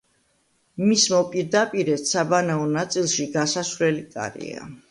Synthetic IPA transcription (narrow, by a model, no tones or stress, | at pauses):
mismɔpʼiɾd̪apʼiɾɛt̪sabanaɔnat̪sʼilˠʃiɡasasvlɛlikʼa̰ɾḭa̰